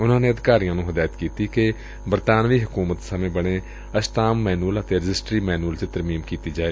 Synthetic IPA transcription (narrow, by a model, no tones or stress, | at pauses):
ʊnãːneːəd̪ɪkaːɾijãːnũːɦəd̪aːjət̪kiːt̪iːke | bəɾt̪aːnʋiːɦʊkuːmət̪səmẽːbəɽ̃eː | əʃt̪aːmːɛːnuːələt̪eːɾɪd͡ʒɪsʈɾiːmɛːnuːəlt͡ʃet̪əɾmiːmkiːt̪iːd͡ʒaːeː